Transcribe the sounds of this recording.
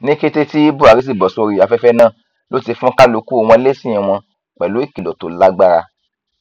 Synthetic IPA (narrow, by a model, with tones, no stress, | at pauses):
nĩ˦ke˦te˦ti˦i˦bu˦˨a˨ɾi˦s̬i˦˨bɔ˨so˧ɾi˨a˨˧fɛ˦fɛ˦nã˦˨ | lo˦ti˧fũ˦ka˦lo˧˦ku˦o˧w̃ɔ̃˧˦le˦sĩ˦˨ĩ˨w̃ɔ̃˧ | k͡pɛ˨lo˨˦i˦˨ki˨lɔ˨to˨la˦ɡ͡ba˦ɾa̰˧